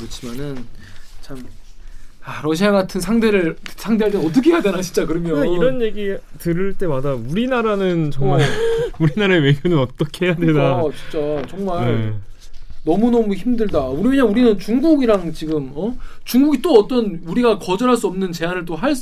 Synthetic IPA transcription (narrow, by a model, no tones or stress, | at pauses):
kɯɾʌt͡ɕʰimanɯnt͡ɕʰam | aɾʌɕ̬ʰiaɡatʰɯnsʰaŋde̞ɾɯɭsʰaŋde̞aɭt͈enʌt̬͈ʌkʰeɦjadwenaɕʰi̥t͡ɕ͈akɯɾʌmjoaiɾʌnje̞ɡitɯɾɯɭt͈e̞madauɾinaɾanɯnt͡ɕʌŋmaɭuɾinaɾaewe̞ɡjonɯnʌt͈ʌkʰe̞ɦejadwe̞dat͡ɕi̥nt͡ɕ͈at͡ɕʌŋmaeɭ | nʌmunʌmuçimdɯɭdauɾieɲauɾinɯnt͡ɕuŋɡuɡiɾaŋt͡ɕiɡɯmʌt͡ɕuŋɡuɡit͈oʌt͈ʌnuɾiɡakʌd͡ʑʌɾɦaɭs͈uʌmnɯnt͡ɕe̞anɯɭt͈oɦaɭs